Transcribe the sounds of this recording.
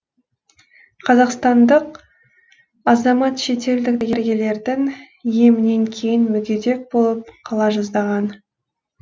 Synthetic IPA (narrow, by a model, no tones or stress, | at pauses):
qʰɑzɑqst̪ɑnd̪əq | ɑzɑmɑt̪ʃe̞t̪e̞ld̪ɪkɡʲe̞ɾɡʲe̞le̞ɾd̪ɪŋ | je̞mɪne̞ŋkʲʰe̞jɪnmʏɡʲe̞d̪e̞k̚bo̞lˠəp̚qʰɑlˠɑʒɑzd̪ɑʁɑn